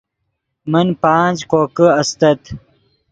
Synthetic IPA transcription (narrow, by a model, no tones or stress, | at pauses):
mənpãːnd͡ʑkoːkəɐst̪ɐt̪